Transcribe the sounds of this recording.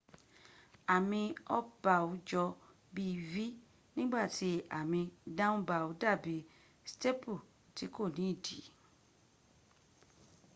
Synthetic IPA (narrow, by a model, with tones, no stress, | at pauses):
a˨mĩ˧ɔ˦b̥a˨wu˧˦d͡ʒɔ˧ | bi˦˧vi˦ | nĩ˦ɡ͡ba˦˨ti˧˦a̰˨mĩ˧dã˦wũ˦ba˨u˨˦da˦˨bi˨˦ | ste˦pu˦˨ | ti˨˦ko˦˨nĩ˨˦˨di˨˦